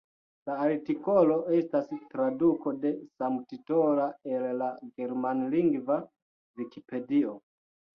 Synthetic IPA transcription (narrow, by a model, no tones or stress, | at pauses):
laːɾtiko̞lo̞e̞stastɾadukode̞samtitolaellaɡe̞ɾmanliŋɡva | vikipe̞dio